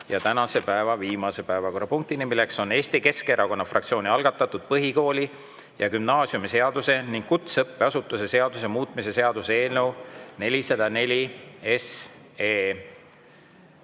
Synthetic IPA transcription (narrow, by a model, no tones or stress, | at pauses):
jɑt̪ænɑse̞pæevɑviːmɑse̞pæevɑko̞rːɑpuŋk̚t̪inimilːe̞kso̞ne̞ːst̪ike̞ske̞ɾʔɑko̞nːɑfrʔɑkt̪sio̞ːniɑlɡ̥ɑt̪ːˑɑt̪ːˑud̪̥̚pɤɦiko̞ːlʲi | jɑkymnɑːsjumise̞ɑd̪use̞niŋɡ̥kut̪sɤpːeɑsut̪ːˑuse̞se̞ɑd̪̥us̬e̞muːt̪ˑmise̞se̞ɑd̪̥usee̞ːlne̞wne̞lisɑd̪̥ɑne̞lʲies | eː